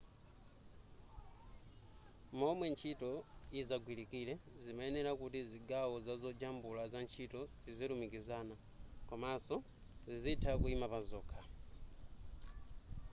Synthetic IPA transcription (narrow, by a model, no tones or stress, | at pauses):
mɔmwɛnt͡ʃʰitɔizaɡwilikilɛzimaɛnɛɾakutiziɡawɔzazɔd͡ʒambulazant͡ʃʰitɔziziɾumikizaːna | kamasɔ | zizitʰakuimapazɔːkʰa